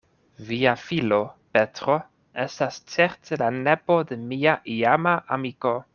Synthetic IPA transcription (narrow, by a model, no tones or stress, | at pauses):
viafilo̞pe̞tɾo̞ | e̞stast͡se̞ɾte̞lane̞po̞de̞miaʔiamaʔamiko̞